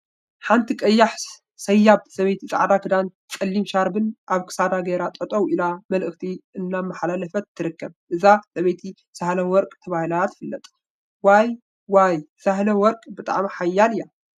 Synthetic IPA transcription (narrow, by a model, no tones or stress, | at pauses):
ħant̪ʰikʼɐjːaħ | sɐjːab̚sɐβɐjt̪ʰit͡sʼa̰ʕd̪akʰɨd̪an | t͡sʼɐlːimʃaɾbɨnʔaβkʰɨ̥sad̪aɡeɾat̪ʼɐt̪ʼɐwʔilamɐlʔɨxt̪ʰiʔɨnːamːaħalalɐfɐt̪ʰːɨɾɨkːɐbʔɨzasɐβɐjt̪ʰi | sahlɐwɔɾkʼt̪ʰɐβahɨlaat̪ʰɨ̥fɨlːɐt̪ʼ | waj | wajsahlɐwɔɾkʼbɨt̪ʼa̰ʕmiħajːalija